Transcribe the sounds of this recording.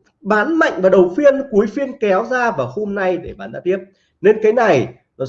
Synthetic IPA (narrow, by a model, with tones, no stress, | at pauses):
ɓaː˨˦nma̰˧˨ŋ̟vaː˨˩ɗə˨˩wfi˧ənku˨˦əjfi˧ənkɛ˨˦wzaː˧vaː˨˩who˧mna˧jɗe˧˩ɓaː˨˦nɗa̰ː˧˥t̪i˦˥əp̚ | ne˧nkaː˨˦jna˨˩j | nɔ˨˦